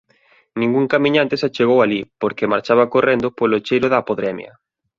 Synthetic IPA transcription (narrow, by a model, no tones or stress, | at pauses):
nĩŋɡuŋkamĩɲãnt̪esat͡ʃeɣowalipoɾkemaɾt͡ʃaβakorend̪ʊpolot͡ʃejɾʊðaːpoðɾɛmjɐ̰